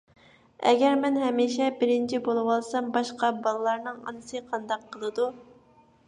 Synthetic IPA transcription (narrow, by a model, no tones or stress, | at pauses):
ɛ̰ɡʲɛɾmɛnɦɛmiʃɛbɪɾɪnt͡ʃʰibolˠɨwɑlˠsɑmbɑʃqɑbɑlˠɨlˠɑɾnɨŋɑ̰nɨsɨqʰɑnd̪ɑqʰːəlˠɨd̪u